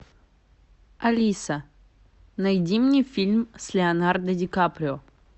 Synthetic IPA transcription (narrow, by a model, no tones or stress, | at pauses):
ɐlʲisə | nɐjdʲimnʲɨjfʲilʲmsʲlʲɪɐnard̪ədʲɪkapɾʲɪo